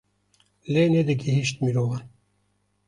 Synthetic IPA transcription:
lened̪əɡiɦiʃt̪̚miɾoːvan

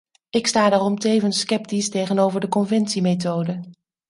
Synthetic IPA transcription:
ɪkstaːdaːrɔmtejvənskɛp̚tistejχənowvəɹdəkɔnvɛntsimet̬owdə

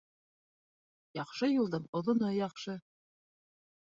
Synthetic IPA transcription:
jɑqʃɤjulˠd̪ɤɴŏðŏnɤjɑqʃɤ

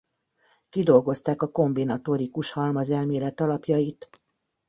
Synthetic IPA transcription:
kid̪o̞lɡo̞st̪aːkɒko̞mbinɒt̪o̞ɾikuʃhɒlmɒzɛlmeːlɛt̪ɒlɒpjɒjit̪

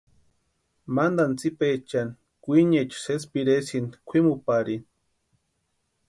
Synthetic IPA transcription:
mand̪ant͡sipet͡ʃani | kʷiɲet͡ʃses̬piɾesinkʷʰimupaɾin

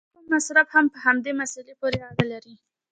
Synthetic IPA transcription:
ummasɾabhampəhamd̪emasalepoɾeaɽalaɾi

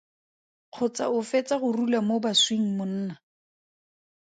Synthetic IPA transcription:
q͡χʰʊt͡sa̰ʊfet͡saχʊrulamobasweŋ̩mʊn̩ːna

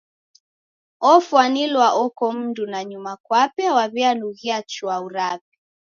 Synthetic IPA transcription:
ɔfwanilwaʔɔkɔm̩dunaɲumakwapɛawaβianuɣiat͡ʃuauɾap̚i̥

